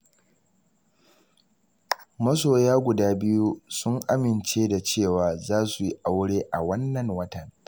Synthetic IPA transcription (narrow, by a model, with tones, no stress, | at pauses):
mɐ˦s̬oː˨jaː˦ɡʷʊ˨daː˦bɪ˦ju˦sʊ˦ŋʔa˦mɪ˨nt͡ʃeː˦da˨t͡ʃeː˦˨waː˨zaː˦su˨ji˦ʔa˨wɽeː˦ʔa˨wɐ˦nːɐ˨ŋwɐ˦tɐ˨ŋ